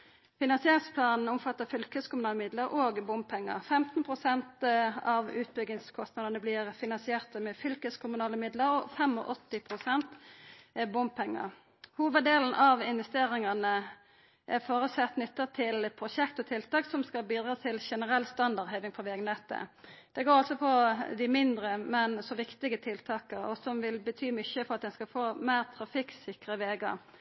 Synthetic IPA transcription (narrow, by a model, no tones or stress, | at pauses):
fɪnɑnsɪeːʁɪŋspʰlɑːnn̩ʊmfɑt̪ːəfʏlkəskʰʊmʉnɑːləmɪd̪ləɾʔoːɡbʊmb̚pʰɛŋːə̰ʁfɛmt̪npʰʁʊsɛnt̪ɑʋʉːt̪̚bʏɡ̪ɪŋskʰɔst̪nɑd̪ənəblɪʁfɪnɑnsɪeːʁt̪əmɛfʏlkəskʰʊmʉnɑːləmɪd̪ləɾɔfɛmɔ̰ʔɔt̪ːɪpʰʁʊsɛnt̪ | bʊmb̚pʰɛŋːə̰ʁ | huːʋəd̪eːln̩ʔɑʋɪnʋɛst̪eːɾɪŋɑnə | ʔɛfoːɾʉsɛt̪ːnʏt̪ːət̪ʰɪlpʰʁʊʃɛkt̪ɔt̪ʰɪlt̪ɑːksɔmskɑlbiːd̪ɾɑːt̪ʰɪlʃɛnəɾɛlst̪ɑnd̪ɑʁd̪heɪʋɪŋpɔʋɛɡnɛt̪ːə̰d̪̥ɛɡoːɾɑlsɔpʰɔd̪ɪmɪnd̪ɾəmɛnsɔʋɪkt̪ɪɡət̪ʰɪlt̪ʰɑːkəɾɔ̰sɔmʋɪlbət̪ʰyːmʏçəfɔɾɑt̪̚d̪ɛnskɑfoːmæɪʁt̪ʰɾɑfɪksɪkɾəʋeːɡə̰ɾ